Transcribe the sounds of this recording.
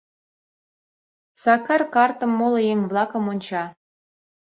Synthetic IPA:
sɑkɑrkɑrt̪ə̆mːolɤjeŋβlˠɑkə̆monʲt͡ɕɑ

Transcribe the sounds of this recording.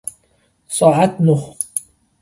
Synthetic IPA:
sˤɑʕat̪nʊx

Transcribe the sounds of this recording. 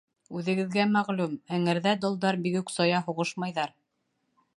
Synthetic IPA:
ʉðɘ̆ɡɘ̆ðɡæmæʁlʉmæŋɘ̆ɾðæd̪ŏlˠd̪ɑɾbiɡʉksɑjɑɦuʁɤʃmɑjðɑɾ

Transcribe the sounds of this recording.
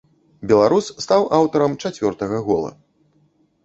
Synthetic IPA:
bʲɛlˠaɾussːt̪awʔawt̪ɐɾɐmt͡ʂat͡sʲvʲɔrt̪ɐɣɐɣɔlˠɐ̰

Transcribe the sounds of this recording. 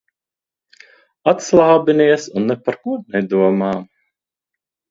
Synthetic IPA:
at̪slˠaːbinʲiɛsunːɛpaɾkuɔnɛd̪uɔmaː

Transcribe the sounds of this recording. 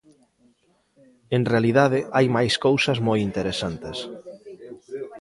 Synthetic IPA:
enrealiðaðɪʔajmajskowsɐzmojint̪eɾesant̪es

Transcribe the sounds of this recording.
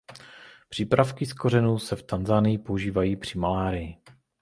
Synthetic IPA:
pr̝̥iːpɾafkɪsko̞rɛnuːsɛft̪anzaːnɪjɪpo̞uʒiːvajiːpr̝̥ɪmalaːɾɪjɪ

